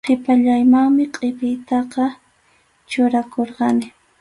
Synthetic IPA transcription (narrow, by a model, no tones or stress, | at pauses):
qepaʎajmaŋmɪqʼepɪjt̪ɑqɑ | t͡ʃʊɾakoɾqɑnɪ